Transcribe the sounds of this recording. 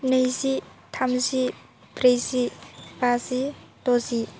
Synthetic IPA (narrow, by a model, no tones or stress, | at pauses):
nejsit̪ʰamsi | pɾesipasit̪osi